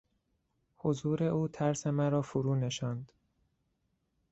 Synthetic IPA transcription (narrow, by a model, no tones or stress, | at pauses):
hozuːɾe̞ʔuːt̪ʰæɾse̞mæɾɒːfoɾuːne̞ʃɒnd̪̥